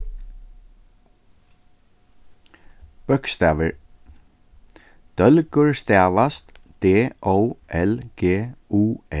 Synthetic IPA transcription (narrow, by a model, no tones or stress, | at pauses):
pœkst̪æːʋɪɹ | d̪̥œlkʊɹst̪æːʋast̪d̪̥eːʔowʔɛlɡ̥eːuːɛ